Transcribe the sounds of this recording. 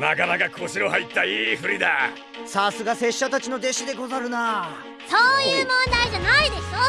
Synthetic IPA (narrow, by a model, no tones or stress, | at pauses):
nakanaɡakoɕiɾoɦait̪ːaiːɸɯ̟ɾʲid̪a | sasɨɡase̞ɕːat̪at͡ɕino̞d̪e̞ɕid̪e̞ɡo̞zaɾɯ̟na | soːjɯːmõnd̪aiʑanaid̪e̞ɕo